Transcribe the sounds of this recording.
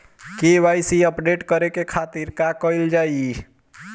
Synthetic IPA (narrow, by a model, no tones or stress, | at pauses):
keʋajsiəpɖeʈkəɾekekʰat̪iɾkakəɪld͡ʒaːi